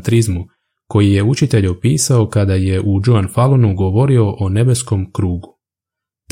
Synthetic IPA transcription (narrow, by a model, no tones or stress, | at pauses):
t̪ɾizmu | ko̞jije̞ut͡ʃit̪e̞ʎo̞piːsao̞kad̪aje̞ʔud͡ʒuanfalˠonuɡo̞ʋo̞ɾio̞ʔone̞be̞sko̞mkɾuːɡu | t̪